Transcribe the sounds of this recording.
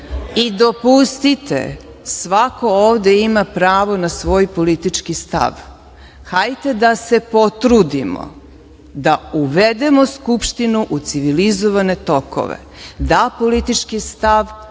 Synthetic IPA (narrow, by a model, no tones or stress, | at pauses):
id̪opust̪it̪ḛ | sʋako̞oːʋd̪eimapɾaːʋo̞nasʋo̞ːjpo̞lit̪it͡ʃkist̪a̰ʋ | xajt̪e̞d̪ase̞po̞t̪ɾud̪imo̰ | d̪auʋed̪e̞mo̞skupʃt̪inuʔut̪siʋilizoʋane̞t̪o̞ko̰ʋḛ | d̪apo̞lit̪it͡ʃkist̪aʋ